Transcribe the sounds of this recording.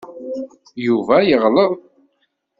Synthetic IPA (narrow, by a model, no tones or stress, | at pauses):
juvæjəʁləðˤ